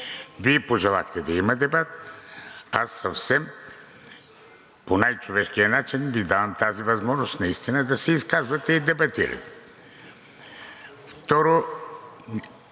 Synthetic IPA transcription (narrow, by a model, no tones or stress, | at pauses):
viɛpoʒɛlˠaxt̪ɛd̪ɐimɐd̪ɛbat̪ | asːɐfsɛm | ponajt͡ʃovɛʃkijɐnat͡ʃinvid̪avɐmt̪azivɐzmɔʒnost̪nɐist̪inəd̪ɐsɛiskazvɐt̪ɛid̪ɛbɐt̪iɾɐ̰t̪ɛ̥ | ft̪ɔɾo